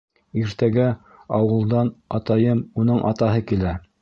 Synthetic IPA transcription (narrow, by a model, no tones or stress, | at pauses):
iɾt̪æɡæ | ɑwɤ̆lˠd̪ɑnɑt̪ɑjɤmunɤɴʔɑ̰t̪ɑɦɤkilæ